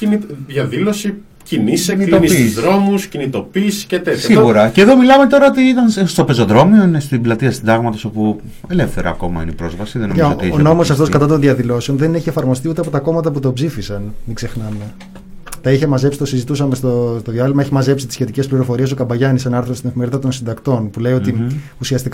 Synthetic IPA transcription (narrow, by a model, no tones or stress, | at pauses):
iniðjɐðilo̞si | ciniseinisuzðɾo̞muscinit̪o̞pisi̥cet̪et̪siɣuɾɐceðo̞milɐme̞t̪o̞ɾɐot̪iit̪ɐnsst̪ope̞zo̞ðɾo̞meoinest̪iblɐt̪iɐst̪id̪ɐɣmɐt̪o̞sopu | elefθeɾɐ̰ɐ̰ko̞mɐ̰inipɾo̞zvɐsiðenoot̪iono̞mo̞sɐft̪oskɐt̪ɐt̪o̞nðiɐðilo̞seo̞nðe̞neçiefɐɾmo̞st̪iut̪eɐpot̪ɐko̞mɐt̪ɐput̪o̞bzifisɐnmikse̞xnɐme̞ | t̪ɐiçemɐzepsi̥t̪o̞sizit̪usɐmest̪ost̪o̞ðiɐlimɐeçimɐzepsit̪isçe̞t̪ice̞spliɾo̞fo̞ɾie̞sokɐbɐʝɐnisɐnɐɾθɾost̪ine̞fimeɾiðɐt̪o̞nsind̪ɐkt̪o̞npule̞io̞t̪i | usiɐst̪ik